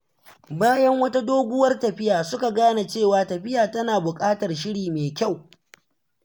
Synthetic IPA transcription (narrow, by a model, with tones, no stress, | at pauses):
baː˦jɐ˦ŋwɐ˦ta˦doː˦ɡʷʊ˦wɐ˦rtɐ˨ɸɪ˦jaː˨sʊ˦ka˨ɡaː˦na˨t͡ʃeː˦˨waː˨tɐ˨ɸɪ˦jaː˨tɐ˦naː˨bʊ˨kʼaː˦tɐ˨rʃɪ˦ɽiː˨meː˨kʲa˦˨w